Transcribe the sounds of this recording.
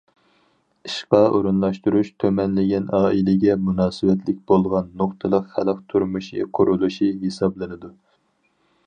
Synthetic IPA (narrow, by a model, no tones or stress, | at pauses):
iʃqɑʔoɾunlˠɑʃt̪uɾuʃt̪ʰømɛnlɪɡʲɛnɑːilɪɡʲɛmunɑːsɨwɛt̪ʰlɪk̚ʲbolˠʁɑnːoχt̪ʰɨlˠəqχælq̚t̪ʰuɾmuʃḭqʰʊɾulˠuʃiɦesɑblˠɨnɨd̪u